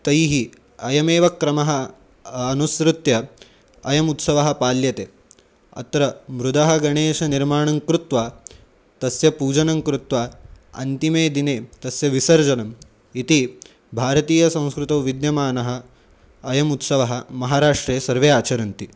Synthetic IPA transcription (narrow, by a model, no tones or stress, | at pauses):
t̪ɐjɦi | ɐjɐmeːʋɐkɾɐmɐɦɐ̆ː | nusɾut̪jɐ | ɐjɐmut̪sɐʋɐɦɐ̆paːljɐt̪e | ɐ̰t̪ɾɐmɾud̪ɐɦɐɡɐɳeːʃɐniɾmaːɳɐŋkɾut̪ʋaː | t̪ɐsjɐpuːd͡ʒɐnɐŋkɾut̪ʋaːɐ̰nt̪imeːd̪ineːt̪ɐsjɐʋisɐɾd͡ʒɐnɐm | it̪i | bʱaːɾɐt̪iːjɐsɐ̃w̃skɾut̪ɐwʋid̪jɐmaːnɐɦɐ̆ː | jɐmut̪sɐʋɐɦɐmɐɦaːɾaːʂʈɾeːsɐɾʋeːaːt͡ʃɐɾɐnt̪i